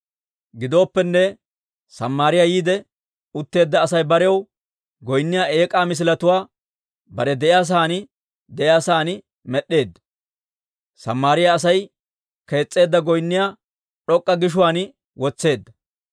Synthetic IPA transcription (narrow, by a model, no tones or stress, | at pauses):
ɡɪd̪o̞ːpːɛnːɛ | sɐmːaːɾɪjaːjiːd̪ɛ | ʊt̪ːe̞ːd̪ːɐːsɐjbɐɾɛw | ɡɔjnːɪjaːʔe̞ːkʼaːmɪs̬ɪlɐt̪ʊwaː | bɐɾɛd̪ɛʔɪjaːs̬aːnɪ | d̪ɛʔɪjaːsaːnɪ | mɛɗːe̞ːd̪ːɐ̥ | sɐ̰mːaːɾɪjaːs̬ɐj | ke̞ːt͡sʼːe̞ːd̪ːɐɡɔjnːɪjaː | ɗɔkʼːɐɡɪʃ̬ʊwaːn | wʔɔt͡sːe̞ːd̪ːɐ